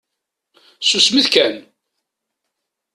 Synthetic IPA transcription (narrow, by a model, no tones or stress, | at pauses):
susmiθkæn